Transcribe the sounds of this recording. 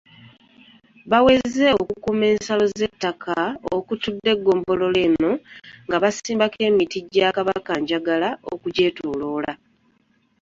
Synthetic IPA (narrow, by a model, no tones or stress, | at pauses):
βawe̞ze̞okukume̞ːnsalo̞ze̞tːakʰao̰kutudːe̞ɡːo̞ːmbo̞lo̞le̞ːno̞ŋɡaβasiːmbake̞ːmitiɟːakaβakaɲɟaɡalao̰kuɟe̞ːtolo̞ːla